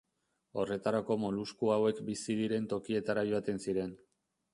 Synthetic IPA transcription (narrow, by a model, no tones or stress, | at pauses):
o̞re̞t̪aɾako̞mo̞luskuawe̞kbisiðiɾe̞nt̪o̞kie̞t̪aɾajoat̪e̞nsiɾe̞n